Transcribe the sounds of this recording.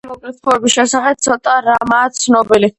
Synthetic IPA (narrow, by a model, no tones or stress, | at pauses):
mɔkʼlit̪χɔɛbisʃɛsaχɛt̪sʰɔt̪ʼaɾamaːt̪sʰnɔbili